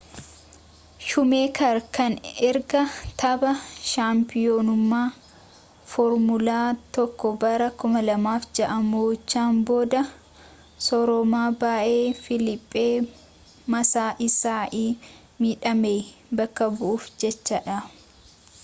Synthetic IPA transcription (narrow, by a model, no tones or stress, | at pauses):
ʃʊmeːkɐɾkɐnɪɾɡɐt̪ʰɐbɐʃaːmpɪjoːnʊmːaː | fɔɾmʊlaːt̪ɔkːɔbɐɾɐkʊmɐlɐmaːfd͡ʒɐʔɐmoːt͡ʃːaːnbo̞ːd̪ɐ | sɔɾɔmaːbaːʔeːfɪlɪpʼːeː | mɐsaːʔɪsaːʔiː | miːᶑɐmeːbɐkːɐbʊʔuːfd͡ʒɛt͡ʃːɐᶑɐ